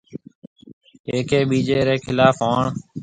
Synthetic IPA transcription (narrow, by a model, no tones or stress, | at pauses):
eːkeːɓiːd͡ʒeːɾeːkʰɪlaːfaːɳ